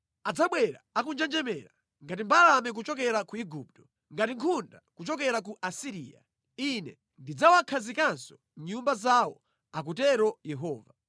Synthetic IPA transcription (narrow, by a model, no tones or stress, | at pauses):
ad͡zaɓwɛɾa̰ak̬und͡ʒɛnd͡ʒɛmɛɾa | ŋɡat̬imbalamɛk̬ut͡ʃɔkɛɾakuiɡuːp̚tɔ̥ | ŋɡatiŋkʰundakut͡ʃɔkɛɾak̬uʔasiɾiːa̰ | inɛ | ndid͡zawakʰazikansɔ̥ | ɲumbazawɔ | ak̬utɛɾɔjɛɦɔːva